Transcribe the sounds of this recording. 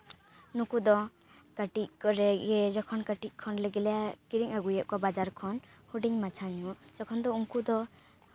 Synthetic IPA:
nukud̪ɔ | kaʈic̚kɔɾɛɡɛd͡ʒɔkʰɔnkaʈic̚ˀkʰɔnlɛɡɛlɛakiɾiŋaɡujɛʔ̚kabad͡ʒaɾkʰɔnhuɖiɲmat͡ʃʰaɲmud͡ʒ̥ɔkʰɔnd̪ɔuŋkud̪ɔ

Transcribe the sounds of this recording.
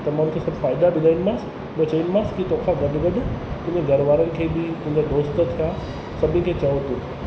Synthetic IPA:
t̪ɐmãːʊ̃nkʰesɐbfaːɪd̪abɪd̪ʱainmaːs | bɐt͡ɕɐʋĩnɪ̆maːskit̪okʰaɡɐɖɡɐɖt̪ʊ̃d͡ʑeɡʱɐɾʋaːɾənɪ̆kʰeːbɪt̪ʊ̃ɦɪ̃ɲd͡ʑad̪oːst̪̆t̪ʰija | sɐbʱɪ̃nkʰeːt͡ɕɐʋot̪ũː

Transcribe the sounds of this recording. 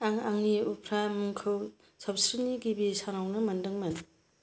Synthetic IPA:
aŋaŋniupʰɾamuŋkʰɯw | sɐbsɾiniɡibisanawnɐmɐndɯŋmɐn

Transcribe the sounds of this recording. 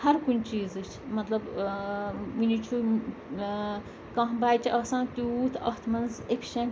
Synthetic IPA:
hɐɾkunʲt͡ʃiːzɨt͡ʃʰmɐt̪lɐb | ʋinit͡ʃʰu | kɐ̃ɦbaːt͡ʃʰɐːsãːnt̪ʲut̪ʰɐht̪ʰmɐnzekʰʲʃẽː

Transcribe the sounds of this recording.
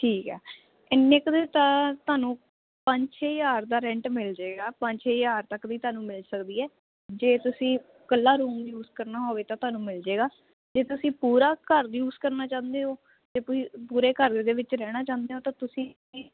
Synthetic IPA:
ʈʰiːkɛ̰ː | ɪnːekd̪eːt̪ãːt̪ʊaːnũː | pəɲt͡ʃɦeːjaːɾd̪aːɾɛ̃ɳʈmɪld͡ʒeːɡaːpə̃ɲt͡ʃɦeːjaːɾt̪əkd̪iːt̪ʊaːnũːmɪlsəkd̪iːɛː | d͡ʒeːt̪ʊsĩː | kəlːaːɾuːmjuːzkəɾnaːɦoːʋeːt̪ãt̪ʊaːnũːmɪld͡ʒeːɡaː | d͡ʒeːt̪ʊsĩːpuːɾaːkəɾjuːzkəɾnaːt͡ʃãːnd̪eːɦoː | d͡ʒeːpːpuːɾeːkəɾd̪eːʋɪt͡ʃɾɛːɽ̃aːt͡ʃãːnd̪eːɦoːt̪ãːt̪ʊsĩː

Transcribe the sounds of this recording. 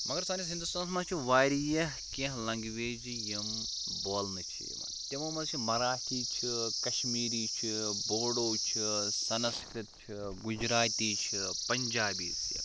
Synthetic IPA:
mɐɡɐɾsaːnisɦind̪ust̪aːnsmɐt͡ʃʰiʋaːɾijɐɦkẽɦlɐŋɡʋeːd͡ʒijɐm | boːlnɨt͡ʃʰḭj̰ʋa̰nt̪emɐːmɐzt͡ʃʰimɐɾaːʈʰiːt͡ʃʰikɐʃmiːɾiːt͡ʃʰiboːɽoːt͡ʃʰisɐnskɾɨt̪̚t͡ʃʰiɡud͡ʒɾaːt̪iːt͡ʃʰipɐɲd͡ʒaːbiːsjḭ

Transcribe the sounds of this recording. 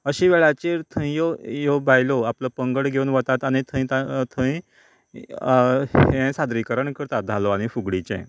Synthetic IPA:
əɕiʋɛɭat͡ɕeɾt̪ʰə̃ĩjojobajloapləpəŋɡəɽɡʱeunʋət̪at̪añit̪ʰə̃ĩt̪t̪ʰə̃i | hẽsad̪ɾikəɾəɳkəɾt̪at̪̚d͡z̪ʱalɔaɽ̃ifuɡɽit͡ɕɛ̰̃

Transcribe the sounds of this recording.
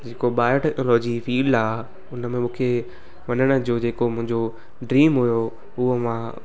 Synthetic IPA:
d͡ʑeːkoɓaːjoʈɛknolɔːd͡ʑifiːɖaː | ʊnəmẽmũːkʰe | ʋɐnəɽ̃ə̆d͡ʑoːd͡ʑeːkomʊ̃ɦɪ̃ɲd͡ʑo | ɖɾiːmɦujo | ʊɦomã

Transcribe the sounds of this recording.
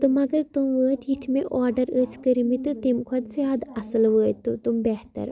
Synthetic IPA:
t̪ɨmɐɡɐɾt̪umʋəːt̪ʰjit̪ʰmeʔɔːɾɖəɾəsʰkəɾimit̪ɨt̪emkʰɐd̪sjaːd̪ɐsəlʋəːt̪ut̪umbɛɦt̪ɐ̰ɾ

